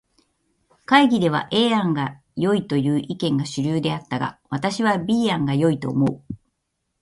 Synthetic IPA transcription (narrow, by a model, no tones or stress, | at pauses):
kaiɡʲid̪e̞β̞a̰ʔe̞ːãŋɡa | jo̞it̪o̞jɯ̟ːʔikẽ̞ŋɡaɕɨɾʲɯːd̪e̞at̪ːaɡa̰βat̪aɕiβ̞abʲiːãŋɡajo̞it̪o̞̰ːmo̞ɯ